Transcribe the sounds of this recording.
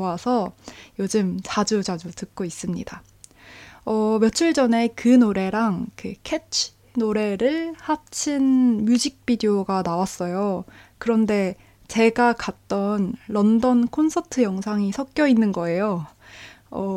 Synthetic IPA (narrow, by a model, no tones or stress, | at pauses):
wasʰʌjod͡ʑɯmt͡ɕad͡ʑud͡ʑad͡ʑutɯk̚k͈ois͈ɯmɲida | ʌmjʌt͡ɕʰuɭd͡ʑʌne̞kɯnoɾe̞ɾaŋkɯkʰet͡ɕʰ | noɾe̞ɾɯɭhat͡ɕʰinmjud͡ʑik̚p͈idioɡanawas͈ʌjokɯɾʌnde̞ | t͡ɕe̞ɡakat̚t͈ʌnɾʌndʌnkʰonsʰʌtʰɯjʌŋsʰaŋisʰʌk̚k͈jʌinːɯnɡʌe̞jo | ʌ